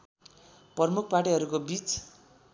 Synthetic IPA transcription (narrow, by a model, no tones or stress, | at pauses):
prʌrmuk̚ʰpaʈiɦʌɾukobit͡s